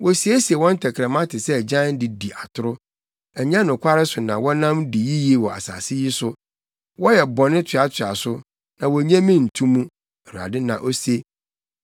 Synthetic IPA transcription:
wɔ˨si˨˦e˦si˨e˨wɔ̃˦n̩˦tʰɛ˨kʰɾɛ˨mã˦tʰɪ˨sɛ˦˨d͡ʑã˦n˦di˨di˨ʔa˨tʰʊ˦ɾʊ˦ | ɛ˨ɲã˦nʊ̃˨kʰʷa˦ɾɪ˦sʊ˨nã˨wɔ˦nã˦mdi˨ji˦ji˦˨wɔ˨a̰˨sa̰˨sɪ˦ji˦sʊ˦ | wɔ˦jɛ˨bɔ˨nɪ̃˦tʰɥa˨tʰɥa˨sʊ˦ | nã˨wɔ˨ɲɛ̃˦mĩ˦n̩˨tʰũ˦mũ˦ | ɛ˨ɾu˨a̰˨dɪ˦nã̰˨ʔo˦se˦

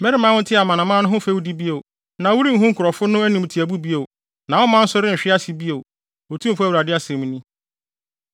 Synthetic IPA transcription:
mɛ˦ɾɪ˦mã˦wʊ̃˦n̩˦tʰɪ˦a˨mã˨nã˨mã˦nʊ̃˦ɦʊ̃˦fæ˦wu˦di˦bi˦o˨ | nã˨˦wu˦ɾi˦ŋ̩˦ɦʊ̃˦ŋ̩˦kʰʊ˨ɾɔ˨fʊ˦nʊ̃˦æ˦nĩ˨m˨tʰi˨æ˨bu˦bi˦o˨ | nã˨wɔ˦mã˦n̩˦sʊ˦ɾɪ˦˨ɕᶣɪ˦a˦si˨bi˦o˨ | o˨tʰũ˦m̩˨fæ˦wu˨ɾa˨dɪ˦a˦sɛ̃˨m̃˦nĩ˦

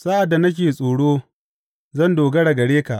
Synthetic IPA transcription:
sa˦ʔa˨dːa˨nɐ˦kʲeː˨sʼoː˨ɽoː˦ | zɐ˦˨ndoː˨ɡɐ˦ɽɐ˨ɡɐ˨ɽeː˦ka˨ʔ

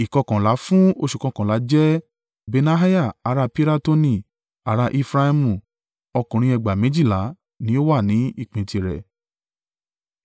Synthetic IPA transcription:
i˨kɔ̃˧kã˨la˨˦fũ˦o˧ʃu˨kã˧kã˨la˨˦d͡ʒɛ˦ | be˧na˧ɦa˦ja˦˨a˨˦ɾa˧pi˦ɾa˦to˦˧nĩ˧˨ | a˨˦ɾa˧ʔi˦˧fɾa˧i˧mũ˨ | ɔ˧kũ˨ɾ̃ĩ˧ɛ˧ɡ͡ba˨mẽ˨˦d͡ʒi˦˨la˨˦ | nĩ˧˦o˦wa˦˨nĩ˨˦i˦˨k͡pẽ˨˧ti˧ɾɛ̰˨

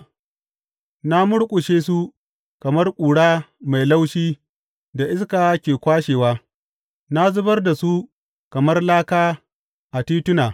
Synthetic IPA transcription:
na˦mʊ˦ɽkʷʼʊ˨ʃeː˦s̬u˦ | kɐ˨mɐ˦rkʷʼuː˨ɽaː˦ma˨jla˦wʃiː˦ | da˨ʔɪ˦skaː˨˦kʲeː˨kʷaː˦ʃeː˨waː˦ | na˦zʊ˦bɐ˦rda˨su˦ | kɐ˨mɐ˦rlaː˦kaː˦ | ʔa˨tiː˦tʊ˦naː˨

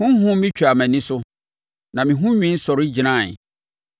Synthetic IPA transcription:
hʊ̃˦n˦ɦʊ̃˦mĩ˦t͡ɕᶣʰa˨mæ̃˨nĩ˦sʊ˦ | nã˨mĩ˨ɦʊ̃˦ɲᶣĩ˦n̩˦sɔ˨ɾɪ˦d͡ʑi˨nã˦˨n˨

